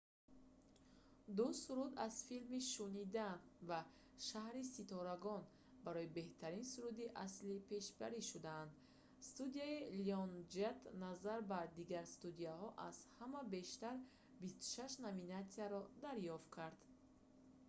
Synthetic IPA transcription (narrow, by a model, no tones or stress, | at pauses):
d̪usuɾud̪az̥filmiʃunid̪anva | ʃahɾisit̪ʰɔɾaɡɔn | baɾɔibe̞ht̪ʰaɾinsuɾud̪iʔaslipʰe̞ʃbaɾiʃud̪aːnd̪ | st̪ud̪iailiɔnd͡ʒet̪nazaɾbad̪iɡaɾst̪ud̪iahɔʔaz̥hamabe̞ʃt̪aɾ | bist̪u̥ʃaʃnavinat̪siaɾɔd̪aɾjɔft̪̚kʰaɾd̪̥